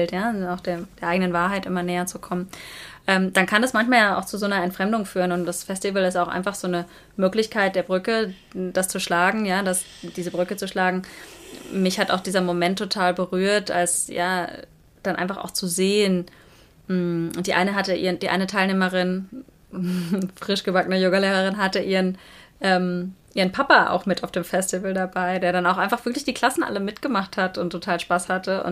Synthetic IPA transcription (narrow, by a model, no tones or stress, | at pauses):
ltjaːaʊxd̥eːɐd̥eːɐʔaɪɡənənvaːɐɦaɪtʔɪ̰mɐnɛːɐt͡sukʰɔmənʔɛːmd̥ankʰandasmançmaːljaːʔa̰ʊxt͡suzoːnɐɛntfʁ̥ɛmdʊŋfyːʁənʊntd̥asfɛstivəlɪstaʊxʔa̰ɪnfaχz̥oːnə | møːklɪçkʰaɪt̚d̥eːɐbʁʏkə | d̥ast͡suʃlaːɡŋ̩jaːdas | d̥iːzəbʁʏkət͡suʃlaːɡŋ̩ | mɪçhata̰ʊxd̥iːzɐmomɛntʰːotʰaːlbəʁyːɐtʔa̰lsjaː | d̥anʔa̰ɪnfaχa̰ʊxt͡suzeːən | m̩ʔʊntd̥iːʔa̰ɪnəɦatəʔḭːədiːʔa̰ɪnətʰaɪlneːmɐʁɪn | fʁ̥ɪʃɡ̥əbakənəjoːɡɐleːʁɐʁɪnɦatəʔiːɐənʔɛːmʔiːʁənpʰapaʔa̰ʊxmɪtaʊfd̥eːmfɛstɪvl̩dabaɪdeːɐɾanaʊxʔaɪnfaχv̥ɪɐklɪçd̥iːkl̥asn̩ʔa̰ləmɪtɡ̥əmaχthatʊntʰːotʰaːlʃpaːshatəʊ̰n